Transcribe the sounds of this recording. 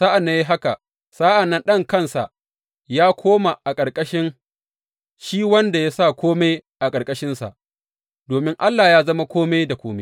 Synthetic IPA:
zaː˦ʔa˨nːa˦ji˦ɦa˦ka˨ | saː˦ʔa˨nːɐ˦nɗɐ˦ŋkɐ˦˨nsa̰˨ | jaː˦kʷoː˦ma˨ʔa˨kʼɐ˨ɾkʼɐ˦ʃɪ˦ŋ | ʃiː˦wɐ˦nda˨ja˦sa˦˨kʷʰoː˦me˦jʔa˨kʼɐ˨rkʼɐ˦ʃɪ˦nsa̰˨ʔ | doː˨mɪ˦ŋʔa˦lːaː˨jaː˦zɐ˦ma˦kʷoː˦me˦da˨kʷoː˦me˦

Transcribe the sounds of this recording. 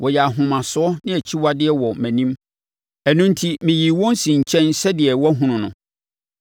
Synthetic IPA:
wɔ˨jɛ˨a˨ɦʊ̃˨mã˨sʊ˦ɔ˦nɪ̃˦æ˨t͡ɕʰi˦wa˦dɪ˦ɛ˨wɔ˨mæ̃˨nĩ˦m | ɛ˨nʊ̃˦n˦tʰi˦mɪ̃˨ji˨wɔ̃˦n˦sĩ˨ɲ̩˨t͡ɕʰɛ̃˦nsɛ˦dɪ˨ɛ˨wɔ˦ɦũ˨nʊ̃˨nʊ̰̃˨

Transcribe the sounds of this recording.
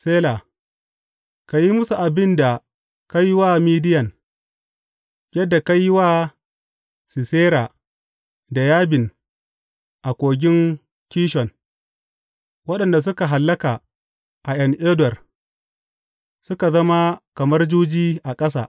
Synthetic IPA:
seː˦la˨ | ka˨ji˦mʊ˦su˨ʔa˨bɪ˦nda˨ | ka˦jːwaː˦miː˦dɪ˦jɐ˨n | jɐ˦dːa˨ka˦jːwaː˦ | si˨seː˦ɾa˨ | da˨jaː˦bɪ˨n | ʔa˨kʷʼoː˨ɡʲɪ˦ŋ | kʲiː˦ʃɔ˨n | wɐ˦ɗɐ˨nda˨s̬ʊ˦ka˨ɦa˨lːɐ˦ka˨ | ʔa˨jɐ˦ŋʔeː˦dwɐ˨r | sʊ˦ka˨zɐ˦ma˦kɐ˨mɐ˦rd͡ʒuː˦d͡ʒiː˦ʔa˨kʼɐ˦s̬a̰ː˨ʔ

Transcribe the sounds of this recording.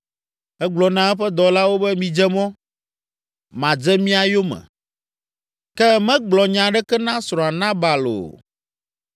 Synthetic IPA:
ɛ˦ɡ͡blɔ˨nã˦ɛ˦ɸɛ˦d̪ɔ˨la˦wo˦bɛ˦mĩ˨d͡ʒɛ˦mɔ̃˦ | mã˨d͡ʒɛ˦mĩ˦a˨jo˦mɛ̰̃˨ | kɛ˦mɛ̃˦ɡ͡blɔ˨ɲã˨ɖɛ˦kɛ˦nã˦sɾɔ̃˨a˨nã˦ba˨lo̰˨

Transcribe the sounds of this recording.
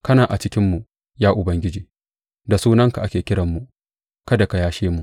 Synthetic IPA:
kɐ˦naː˨ʔa˨t͡ʃɪ˦kʲɪ˦mːu˨ʔ | jaː˦ʔʊ˨bɐ˦ŋɡʲɪ˦d͡ʒiː˨ | da˨suː˦nɐ˦ŋka˨ʔa˦kʲeː˨kʲɪ˦ɽɐ˨mːu˨ʔ | kɐ˦da˨ka˨jaː˦ʃeː˦mu˨

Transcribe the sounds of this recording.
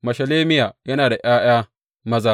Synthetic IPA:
mɐ˨ʃɐ˨leː˦mɪ˦jaː˨jɐ˦naː˨da˨ʔj̰aː˦j̰aː˦ | mɐ˦zaː˦

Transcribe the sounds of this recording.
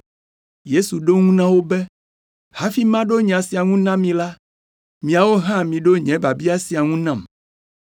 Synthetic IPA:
je˦su˨ɖo˦ŋũ˦nã˦wo˦bɛ˦ | ha˦fi˦mã˦ɖo˦ɲɛ̃˨a˨si˨a˨ŋũ˦nã˦mĩ˨la˦ | mĩ˨a˨wo˦ɦã˦mĩ˨ɖo˦ɲɛ̃˨˦ba˨bi˦a˨si˨a˨ŋũ˦nã˦˨m

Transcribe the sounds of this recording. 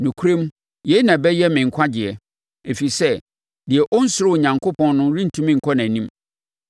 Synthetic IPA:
nũ˨kʰu˦ɾẽ˦m | jɛ˨˦nã˨bɛ˦jɛ˦mɪ̃˨ŋ̩˨kʷʰa˦d͡ʑɪ˨ɛ˨ | e˨fi˨sɛ˦ | dɪ˨ɛ˨ʔɔ˦n̩˦sʊ˨˦ɾʊ˦˨ɲã˨ŋkʰo˦pʰɔ̃˦nː˦ʊ̃˦ɾĩ˦n̩˨tʰũ˦mĩ˦ŋ̩˨kʰɔ˦nã˨nĩ˦m

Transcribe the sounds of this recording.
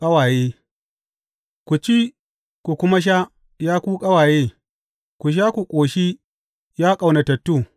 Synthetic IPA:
kʼɐ˦waː˨jeː˦ | kʷu˨t͡ʃi˦ | kʷu˨kʷʊ˦ma˦ʃ̬a˦ | jaː˦kʷuː˦kʼɐ˦waː˨jeː˦ | kʷu˨ʃ̬aː˦kʷu˨kʷʼoː˨ʃi˦ | jaː˦kʼa˨wna˨tɐ˨tːuː˦

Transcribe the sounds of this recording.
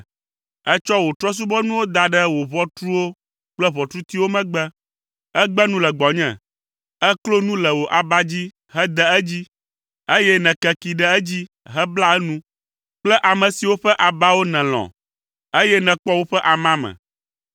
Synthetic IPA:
ɛ˦t͡ʃɔ˦wo˨t̪ɾɔ˦s̬u˦bɔ˦nũ˦wo˦d̪a˨ɖɛ˦wo˨βɔ˦t̪ɾu˦wo˦ | k͡plɛ˦βɔ˨t̪ɾu˦t̪i˦wo˦mɛ̃˦ɡ͡bɛ˦ | ɛ˦ɡ͡bɛ˦nũ˦lɛ˨ɡ͡bɔ˨ɲɛ̰̃˨ | ɛ˦klo˦nũ˦lɛ˨wo˨ʔa˨ba˦d͡ʑi˦ | ɦɛ˦d̪ɛ˦ɛ˦d͡ʑi˦ | e˦jɛ˦nɛ̃˨kɛ˨ki˨ɖɛ˦ɛ˦d͡ʑi˦ | ɦɛ˦bla˦ɛ˦nũ˦ | k͡plɛ˦ʔa˨mɛ̃˨si˨wo˦ɸɛ˦ʔa˨ba˦wo˦nɛ̃˨l̃ɔ̰̃˨ | e˦jɛ˦nɛ̃˨k͡pɔ˦wo˦ɸɛ˦ʔa˨mã˦mɛ̰̃˨

